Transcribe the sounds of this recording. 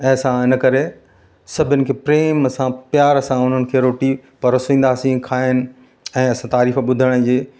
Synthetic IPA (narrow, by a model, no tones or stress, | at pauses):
ɐsãɦɪnə̆kɐɾe | sɐbʱɪʊnɪ̆kʰeːpɾeːmɐsãpjaːɾɐsãʊn̤ənɪ̆kʰeːɾoːʈipɐɾɐsĩːn̆d̪aːsĩkʰaːɦɪnɪ̆ | ɛ̃ːɐsãt̪aːɾiːfɓʊd̪ʱəɽ̃əd͡ʑeː